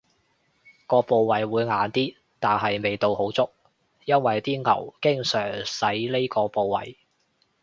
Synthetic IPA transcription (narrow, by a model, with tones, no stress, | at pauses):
kɔː˧po˧wwɐ˨˩jwuː˨˧jŋaː˨nt̪iː˥ | t̪aː˨˩nɦɐ˨jme˨jt̪o˧who˨˥wt͡sʊ˥k̚ | jɐ˥nwɐ˨jt̪iː˥ŋɐ̰˨˩wkɪ˥ŋsœː˨˩ŋsɐ˨˥jle˥jkɔː˧po˨˧wwɐ̰˨j